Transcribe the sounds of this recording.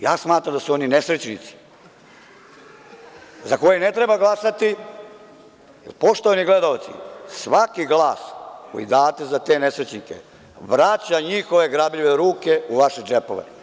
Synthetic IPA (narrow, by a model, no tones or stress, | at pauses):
jaːsmaːt̪ɾamd̪asuo̞nine̞sɾet͡ɕnit̪si̥ | zako̞jene̞t̪ɾebaɡlˠasat̪i | jḛlpo̞ʃt̪oʋaniɡle̞d̪aot̪sḭsʋakiɡlaːsko̞̰jḭd̪aːt̪e̞zat̪e̞ne̞sɾet͡ɕnikḛ | ʋɾat͡ɕaɲixo̞ʋe̞ɡɾabʎiʋeɾuːke̞uʋaʃed͡ʒepo̞̰ʋḛ